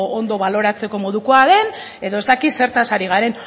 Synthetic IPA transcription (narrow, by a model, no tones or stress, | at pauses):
ond̪o̞βalo̞ɾat͡se̞ko̞mo̞ðukoaðe̞n | e̞ðo̞e̞zt̪akise̞ɾt̪asaɾiɣ̞aɾe̞n